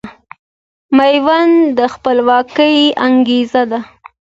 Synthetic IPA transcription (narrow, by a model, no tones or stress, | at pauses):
majwand̪əxpəlwɑkəjaŋɡezad̪a